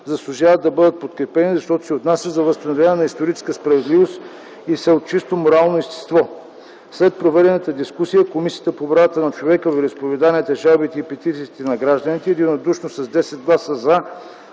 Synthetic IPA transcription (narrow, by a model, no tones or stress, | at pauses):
zɐslˠʊʒavəd̪ɐbɤd̪ət̪̚pot̪kɾɛpɛnizɐʃt̪ɔt̪o̥sɛot̪nasʲəzɐvəst̪ɐnovʲlʲanɛnɐist̪oɾit͡ʃɛ̥skəspɾɐvɛd̪livost̪ | isɛot̪̚t͡ʃist̪omoɾalˠnoist̪ɛ̥st̪vɔ | slɛt̪̚pɾovɛd̪ɛnət̪əd̪iskusijəkomisijət̪əpobɾavət̪ənɐt͡ʃovɛkəvɾispovɛd̪aniɛt̪ɛʒalbit̪ɛipɛt̪it̪iːt̪ɛnɐɡɾaʒd̪ənit̪ɛːd̪inod̪uʃnosɐzd̪ɛsɛd̪̚ɡlˠasəza